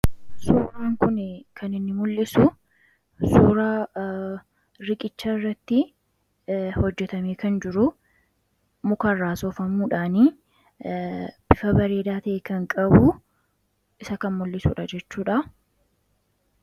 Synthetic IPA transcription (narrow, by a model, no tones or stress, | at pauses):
suːɾaːŋkʊnɪkʰɐnɪnːɪmʊlːɪsʊ | suːɾaː | ɾɪkʼɪt͡ʃːaːɪrːɐt̪ːɪ | hɔd͡ʒːɛt̪ɐmeːkɐnd͡ʒɪɾʊ | mʊkɐrːaːsoːfɐmuːᶑaːniː | b̥ɪfɐbɐɾe̞ːd̪aːt̪ɐʔeːkɐŋkʼɐbuː | ɪsɐkɐnmʊlːɪsṵːᶑɐd͡ʒɛt͡ʃːuːᶑɐ